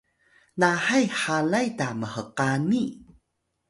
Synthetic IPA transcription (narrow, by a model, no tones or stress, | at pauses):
naħajħalajtaməhəqani